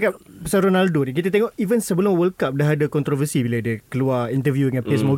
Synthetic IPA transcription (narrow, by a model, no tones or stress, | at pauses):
kapəsaɾonaldonik̬it̪at̪eŋɔʔivənsəbəlʊmwəlkap̚daɦadakɔnt̪ɾɔvəsibiladəkəluaint̪̬əvjuŋãnpesmoɡ